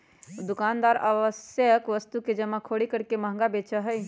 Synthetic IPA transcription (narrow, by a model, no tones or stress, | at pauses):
d̪ukand̪aɾəʋəsjəkʋəst̪uked͡ʒəmːakʰoɽikəɾkeməɦŋ̆ɡabet͡ʃəɦəj